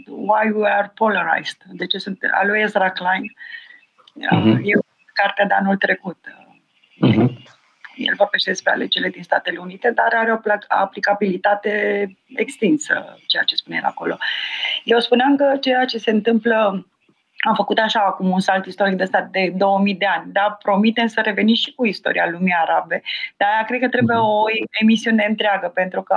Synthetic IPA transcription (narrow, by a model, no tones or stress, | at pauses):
wajwiarpolaɾa̰jz̥t̪d̪e̞t͡ʃe̞sunt̪a̰lujezɾaklajn | əje | kart̪ead̪eanult̪ɾe̞kut̪ | ḛ | jḛlvo̞rbeʃt̪ed̪espɾea̰led͡ʒeɾile̞d̪inst̪at̪e̞le̞unit̪e̞d̪aɾaɾeoa̰plikabilit̪at̪e̞ | ekst̪insə̰t͡ʃe̞ja̰t͡ʃe̞spunejḛla̰ko̞̰lo̞̰jewspuneamkət͡ʃe̞jat͡ʃe̞se̞ɨnt̪ɨmplə | afəkut̪aʃaːkumunsalt̪ist̪o̞ɾik̚d̪est̪at̪̚d̪e̞d̪o̞wəmid̪e̞anʲd̪apɾo̞mit̪e̞msəɾe̞ve̞nimʃi̥kuist̪o̞̰ɾialumiaɾabe̞d̪̥aakɾe̞d̪̚kət̪ɾe̞bujeooe̞misiune̞ɨnt̪ɾeaɡəpe̞nt̪ɾukə